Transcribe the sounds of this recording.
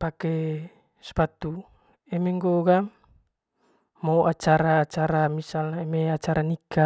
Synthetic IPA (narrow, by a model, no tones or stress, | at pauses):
pakɛ | spat̪u | ɛmɛŋɡoɡa | mowʔat͡ʃaɾaːt͡ʃaɾamisalɛmeat͡ʃaɾanika